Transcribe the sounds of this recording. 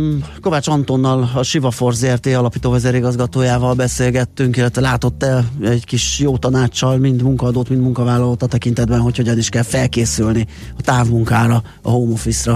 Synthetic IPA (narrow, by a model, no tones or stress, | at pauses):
ko̞vaːt͡ʃɒnt̪o̞nːɒlɒʃivɒfo̞rzeɛrt̪eːɒlɒpiːt̪oːvɛzeɾiɡɒzɡɒt̪oːjaːvɒlbɛseːlɡɛt̪ːyŋkilːɛt̪ʋɛlaːt̪o̞t̪ːɛlɛɟkiʃjoːt̪ɒnaːt͡ʃːɒlmind̪muŋkɒːd̪oːt̪mind̪muŋkɒvaːlɒloːt̪ɒt̪ɛkint̪ɛd̪bɛnɦo̞cho̞ɟɒniʃkɛlfɛlkeːsylni | ɒt̪aːvmuŋkaːɾɒ | ɒ̰ɦoːmofisrɒ